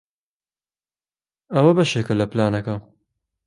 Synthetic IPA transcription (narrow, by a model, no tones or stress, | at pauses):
ɐwɐbɐʃeːkɨlɐplaːnɐkɐ